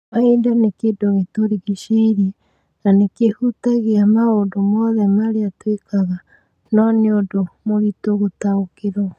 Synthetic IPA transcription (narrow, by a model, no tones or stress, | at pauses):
maindanekedoɣetoɾiɣeʃeiɾe | nanekehutaɣeamaoːndomɔðɛmaɾeatwekaɣa | nɔneodomoɾitoɣotaokeɾɔ